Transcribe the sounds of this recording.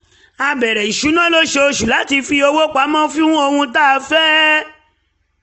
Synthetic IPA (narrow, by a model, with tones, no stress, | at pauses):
a˧bɛ˨ɾɛ˨i˨ʃu˨˦nã˦lo˦ʃe˧o˧ʃu˨la˨˦ti˧fi˧o˧wo˦k͡pa˨˦mɔ̃˦fĩ˦ũ˦o˧hũ˧ta˦˨˦fɛ˦